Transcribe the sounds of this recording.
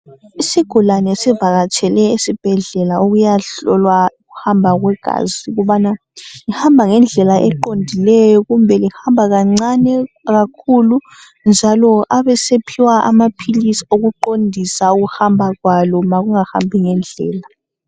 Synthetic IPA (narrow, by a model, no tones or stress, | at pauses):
isiɡ̥ʱulanɛsivaɣat͡ʃʰɛlɛisib̥ʱɛɮɛlaoɣujaɬɔlwauɣuhambʱaɣwɛɡ̥ʱa̰ziɣuβana | ŋihambʱaŋɛnd͡ɮʱɛlaʔɛǃondʱilɛjɔɣumbʱɛlihambʱaɣaŋ͡ǀanɛ | ɣakʰulu | nd͡ʒʱalɔʔaβɛsepʰiwaa̰mapʰilisi̥oɣuǃondʱisauɣuhambʱaɣwalɔmaɣuŋaha̰mbʱiŋɛnd͡ɮʱɛ̰ːla